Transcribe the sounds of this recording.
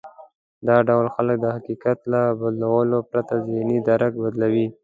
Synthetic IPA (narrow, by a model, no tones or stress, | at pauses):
d̪ɑɖawlxalək̚d̪əhakikat̪labad̪lawəlopɾat̪azinid̪aɾakbad̪lawi